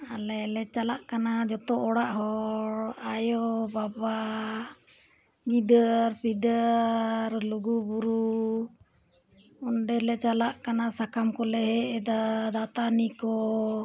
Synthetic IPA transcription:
alɛlɛt͡ʃalaʔkanad͡ʒɔt̪ɔʔɔɽaʔɦɔɾajɔbaba | ɡid̪əɾpid̪əɾluɡubuɾu | ɔnɖɛlɛt͡ʃalaʔkanasakamkɔlɛɦɛʔɛd̪ad̪at̪anikɔ

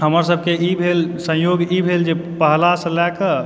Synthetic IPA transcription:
ɦəməɾs̬əb̚ʱkeibʱelsə̃joɡibʱeld͡ʒepəɦlasə̃lɛkə

